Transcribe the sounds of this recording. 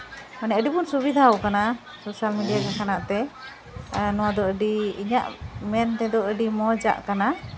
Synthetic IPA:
manɛəɖibunsubid̪ʱaɔkana | sosalmiɖijakakʰanaʔt̪ɛ | nɔwad̪ɔʔəɖiiɲa̰ʔmɛnt̪ɛd̪ɔʔəɖimɔd͡ʒa̰ʔkana

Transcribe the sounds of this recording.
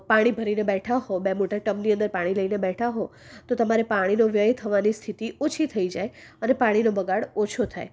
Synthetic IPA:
paɽ̃ibʱəɾinebɛʈʰaɦobemoʈəɾʈəmniənd̪əɾpaɽ̃iləinebɛʈʰaɦot̪ot̪əmaɾepaɽ̃inoʋjəjt̪ʰəʋanist̪ʰit̪iot͡ʃʰit̪ʰəid͡ʒaeənepaɽ̃inobəɡaɽot͡ʃʰot̪ʰa̰e

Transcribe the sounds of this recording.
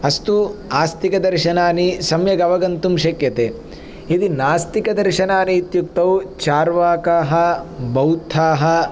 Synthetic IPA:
ɐst̪uaːst̪ikɐd̪ɐɾʃɐnaːnisɐmjɐɡɐʋɐɡɐnt̪umʃɐkjɐt̪eː | id̪inaːst̪ikɐd̪ɐɾʃɐnaːniːt̪jukt̪ɐwt͡ʃaːɾʋaːkaːɦɐbɐwt̪ʰaːɦɐ̆

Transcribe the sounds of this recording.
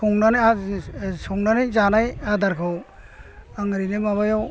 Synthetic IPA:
uŋnanasuŋnanajzanajad̪aɾkʰɔw | aŋɾinemaβajɔw

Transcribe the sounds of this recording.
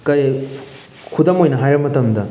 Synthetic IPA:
kɐɾe | kʰudɐmojnɐɦajɾɐbmɐtɐmdɐ

